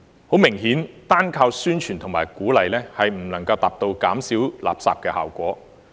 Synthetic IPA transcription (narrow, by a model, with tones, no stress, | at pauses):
ho˨˥wmɪ˨˩ŋɦiː˨˥nt̪aː˥nkʰaː˧wsyː˥nt͡ʃʰyː˨˩nt̪ʰʊ˨˩ŋmaː˨˩jkuː˨˥lɐ˨jlɛː˥hɐ˨jm̩˨˩nɐ˨˩ŋkɐ˧wt̪aː˨p̚t̪o˧wkaː˨˥msiː˨˥wla̰ː˨p̚sa̰ː˨p̚kɛː˧ha̰ː˨wkʷɔː˨˥